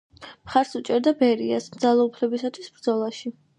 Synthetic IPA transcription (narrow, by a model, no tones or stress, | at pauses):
mχaɾsut͡ʃʼɛɾd̪abɛɾiasmd̪zalˠɔupʰlɛbisat̪ʰwisb̥ɾd̪zɔlˠaʃi